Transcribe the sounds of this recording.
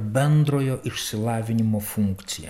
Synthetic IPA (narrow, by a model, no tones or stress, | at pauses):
bʲɛnd̪ɾoːjoːʔɪʃʲsʲɪlˠɑːʋʲɪnʲɪmoːfuŋkt̪sʲɪjɛ̰